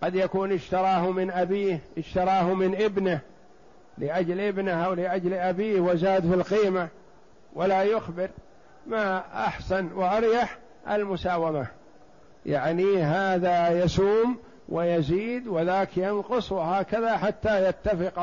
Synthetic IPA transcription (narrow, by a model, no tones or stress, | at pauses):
qɑd̪jakuːnɪʃt̪ɑɾˤɑːhmɪnʔabiːhʔɪʃt̪ɑɾˤɑːhmɪnʔɪbnɪh | lɪʔad͡ʒlʔɪbnɪhʔawlɪʔad͡ʒlʔabiːhwɪzaːd̪filqiːma | walajʊxbɪɾ | maʔa̰ħsanwɪʔɑɾjaħ | ʔa̰lmʊsaːwama | jaʕniɦaːðajasuːm | wʔɪjaziːd̪wɪðaːkjɑnqʊsˤwɪhaːkaðaħat̪ːajat̪ːafɪq